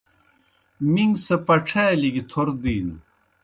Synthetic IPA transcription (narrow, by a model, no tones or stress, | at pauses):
miŋɡsɐpɐʈ͡ʂʰaliɡit̪ʰoɾd̪iːnu